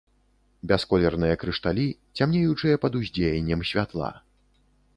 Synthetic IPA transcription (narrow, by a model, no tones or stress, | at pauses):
bʲɛskɔlʲɛrnɨjɐkɾɨʂt̪alʲit͡sʲamnʲejut͡ʂɨjɐpɐd̪uzʲd͡zʲejɛnʲːɛmsʲvʲat̪lˠa̰